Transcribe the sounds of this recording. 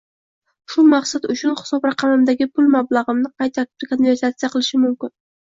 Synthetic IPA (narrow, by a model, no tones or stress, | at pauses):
ʃʊmaqsat̪ʊt͡ʃʰʊnχɪ̥sɒbɾɑqʰɑmɪmd̪aɡʲɪpʰʊlˠmablˠaʁɨmnɪqʰɑjt̪ʰːat̪ɪ̥p̚t̪akʰonve̞ɾt̪at̪sijaqʰɨlˠɪʃɪmʊmkʲɪn